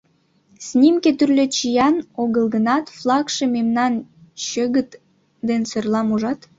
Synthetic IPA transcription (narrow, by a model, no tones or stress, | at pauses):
snʲimket̪yrlʲøt͡ɕijɑnoɣə̆lɡə̆nɑt̪flˠɑkʃememnɑnɕəɣət̪ | d̪ensərlɑmuʒɑt̪